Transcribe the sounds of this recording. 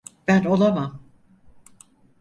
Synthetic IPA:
b̥æno̞lˠamam

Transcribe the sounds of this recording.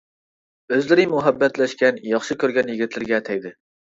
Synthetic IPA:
øzlɪɾɪmuɦɛbːɛt̪lɛʃkʲɛnjɑχʃɨkʲøɾɡʲɛnjiɡʲit̪ʰlɪɾɡʲɛt̪ʰɛjd̪ɪ

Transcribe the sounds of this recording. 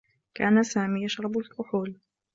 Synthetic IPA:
kaːnasaːmiːjaʃɾˤɑbʊlkʊħuːl

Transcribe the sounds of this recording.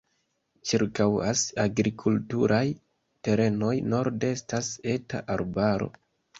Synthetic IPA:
t͡ʃiɾkawa̰saɡɾikʰultuɾʔaj | te̞ɾe̞no̞jno̞ɾde̞stase̞ta̰ʔaɾbaɾo̞̰

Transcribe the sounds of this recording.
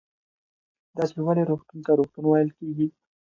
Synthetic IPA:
d̪ɑt͡ʃewaɽeɾoxt̪unt̪aɾoxt̪unwɑjlkeɡi

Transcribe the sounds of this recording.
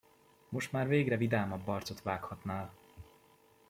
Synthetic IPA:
mo̞ʃt̪maːrveːɡrɛvid̪aːmɒbːɒrt̪so̞t̪ʋaːkhɒt̪naːl

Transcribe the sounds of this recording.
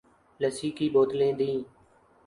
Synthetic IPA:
ləsiːkiːboːt̪lẽːd̪ĩː

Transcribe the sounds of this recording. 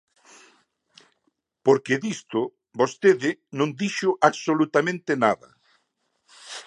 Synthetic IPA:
poɾkeðist̪ʊ | bost̪eðɪnõŋd̪iʃʊʔaβsolut̪amẽnt̪ɪnaðɐ̰

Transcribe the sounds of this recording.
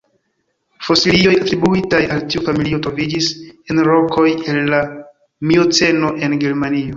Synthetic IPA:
fo̞silio̞jatɾibuitajaltiufamiliotɾo̞vid͡ʒisenɾo̞ko̞jelːa | miot͡se̞no̞ʔe̞nɡe̞ɾmanio̞

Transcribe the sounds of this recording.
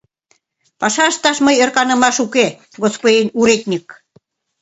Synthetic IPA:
pɑʃɑəʃt̪ɑʃməjərkɑnə̆mɑʃuke | ɡospodʲenʲuɾet̪̚ʲnʲik̚

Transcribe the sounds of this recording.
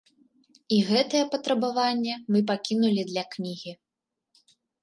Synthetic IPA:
iɣɛt̪ɐjɛpɐt̪ɾɐbavanʲːɛmɨp̬akʲinulʲid̪lʲɐknʲiɣʲi

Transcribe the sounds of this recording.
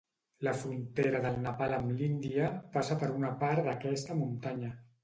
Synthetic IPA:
ləfɾunt̪eɾəðəlˠnapaləmlind̪iəpasəpəɾunapaɾd̪əkɛst̪əmunt̪aɲə

